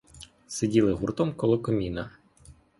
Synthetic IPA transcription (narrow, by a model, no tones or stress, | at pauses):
sedʲilˠɪɦurt̪ɔmkɔlˠɔkɔmʲinɐ